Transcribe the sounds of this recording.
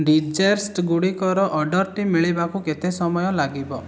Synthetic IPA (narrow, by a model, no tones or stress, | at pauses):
ɖid͡ʒeɾsʈɡuɽikɔɾɔʔɔɖɔɾʈimːiɭibakuket̪esɔmɔjɔlaɡibɔ